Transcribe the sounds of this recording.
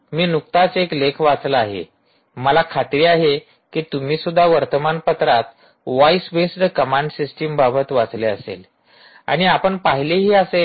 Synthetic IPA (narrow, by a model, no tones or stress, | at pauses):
miːnukt̪at͡seklekʰʋat͡sləaɦḛ | məlakʰat̪ɾiːaɦe | kiːt̪um̤iːsud̪ʱːaʋəɾt̪əmanpət̪ɾat̪ | ʋaisʋesɖəkəmaɳɖsisʈimbabʱət̪ʋat͡sleəsḛl | a̰ɽ̃iapəɳpaɦileɦiːəse